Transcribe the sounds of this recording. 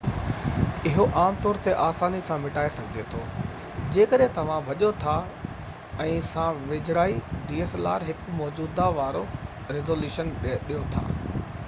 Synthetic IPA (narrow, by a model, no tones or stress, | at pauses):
ɪɦoʔaːmt̪ɔːɾt̪eʔaːsaːnisãmɪʈaːesɐɡʱɪd͡ʑet̪ʰo̰ː | d͡ʑeːkəɗɦẽt̪ɐʋ̤ãʋɐʄot̪ʰa | ɛ̃ːsãːʋeːd͡ʑʱɽaːiɖiːeːsla̰ːɾɦɪkmɔːd͡ʑuːd̪aʋaːɾo | ɾɪzoːljuːʃənɗijot̪ʰa̰ː